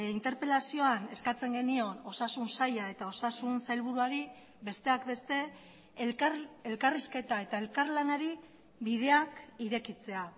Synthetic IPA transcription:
int̪e̞ɾpe̞lasio̞ane̞skat͡se̞ŋɡe̞nio̞no̞sasunsajae̞t̪ao̞sasunsajlβuɾuaɾi | be̞st̪e̞akbe̞st̪e̞ | kelkariske̞t̪ae̞t̪ae̞lkaɾlanaɾi | βiðe̞akiɾe̞kit͡se̞a

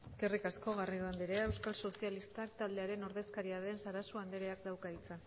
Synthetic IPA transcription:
e̞ske̞rikasko̞ɣ̞ariðuand̪iɾeewskalso̞sialist̪akt̪ald̪e̞aɾe̞no̞ɾðe̞skaɾiaðe̞nsaɾasuand̪eɾe̞ak̚d̪awkait͡sa

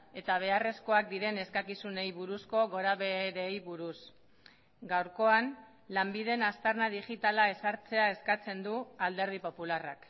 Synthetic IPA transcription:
e̞t̪aβ̞e̞are̞sko̞ak̚d̪iɾe̞ne̞skakisune̞jβuɾusko̞ɣo̞ɾaβe̞ɾejβuɾus | ɡawɾko̞an | lambiðe̞nast̪aɾnað̞iʝit̪alae̞saɾt͡se̞ae̞skat͡se̞nd̪uald̪e̞ɾð̞ipo̞pulara̰k

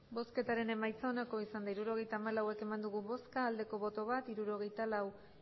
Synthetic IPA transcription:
bo̞ske̞t̪aɾe̞ne̞majt͡sanako̞isand̪aiɾuɾo̞ɣ̞e̞jt̪aːmalawe̞ke̞mand̪uɣuβo̞skaːld̪e̞ko̞βo̞t̪o̞β̞at̪iɾuɾo̞ɣ̞e̞jt̪alaw

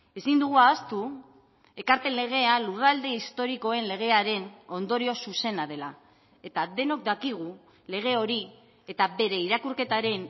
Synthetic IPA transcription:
e̞sind̪uɣ̞uaost̪u | e̞kaɾpe̞nle̞ɣ̞e̞alurald̪e̞ist̪o̞ɾiko̞e̞nle̞ɣ̞e̞aɾe̞no̞nd̪o̞ɾio̞suse̞naðe̞la | e̞t̪aðe̞no̞k̚d̪akiɣ̞u | le̞ɣ̞e̞o̞ɾi | e̞t̪abe̞ɾe̞iɾakuɾke̞t̪aɾe̞n

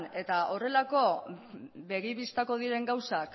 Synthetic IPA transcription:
ne̞t̪aʔo̞re̞lako̞ | βe̞ɣiβist̪ako̞ð̞iɾe̞ŋɡawsak

